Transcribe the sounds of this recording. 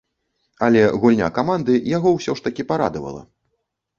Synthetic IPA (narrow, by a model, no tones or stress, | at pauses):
ɐlʲɛɣulʲnʲa̰kamand̪ɨjaɣɔwsʲɔʂt̪ɐkʲipaɾa̰d̪ɐvɐ̰lˠɐ̰